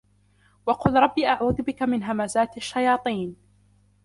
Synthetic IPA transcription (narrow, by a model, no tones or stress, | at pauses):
wɑqʊlɾˤɑbːiːʔaʕuːðʊbɪkamɪnɦamazaːt̪aʃːajɑːt̪ˤiːn